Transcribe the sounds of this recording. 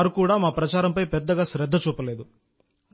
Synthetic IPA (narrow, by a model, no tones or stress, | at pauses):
ɾukuːɽaːmaːpɾɐt͡ʃaːɾɐmpɐjpɛd̪ːɐɡaːʃɾɛd̪ːɐt͡ʃuːpɐleːd̪u